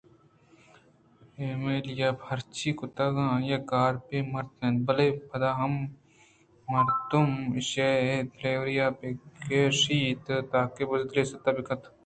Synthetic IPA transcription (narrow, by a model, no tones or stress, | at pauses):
eːmeljabʱɐɾt͡ʃʰikʊt̪ɐɡãːjɐkaːɾpemɐɾt̪̚nẽnbɐlepʰɐd̪aːɦɐm | ɐɾt̪umʃeepʰleːwɾijaːpekeʂiːt̪t̪aːkebɐzd̪leːsɐt̪ɐbikɐt̪